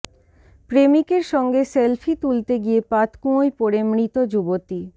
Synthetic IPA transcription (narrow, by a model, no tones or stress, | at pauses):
pɾemikeɾʃɔŋɡeselfʰit̪ult̪eɡiepat̪kũojpoɾemɾit̪od͡ʑubot̪i